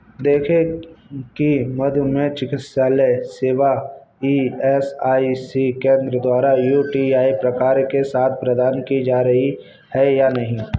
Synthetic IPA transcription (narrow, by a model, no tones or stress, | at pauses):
d̪eːkʰe | kimɐd̪ʱmẽt͡ʃɪkɪt̪saːleseːʋa | iɛsaːisikẽːnd̪ɾəd̪waːɾajuːʈiaːipɾɐkaːɾkesaːt̪ʰpɾəd̪aːnkid͡ʒaːɾəɦi | hɛjanɐɦĩː